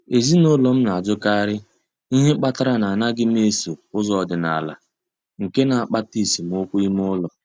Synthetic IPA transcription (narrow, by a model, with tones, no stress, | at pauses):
e˨zi˦no˦lɔ˨m̩˦na˨a˨d͡ʒʊ˦ka˦ɾɪ˦ | i˦ɦe˦k͡pa˦ta˦ɾa˦na˨na˦ɡɪ˦m˦e˦so˨ʊ˦zɔ˨ɔ˨dɪ˨na˨la̰˨ | ŋ̩˨ke˦na˨a˨k͡pa˦ti˦˨si˨m˨o˦kʷu˦i˦m˦ʊ˦lɔ˨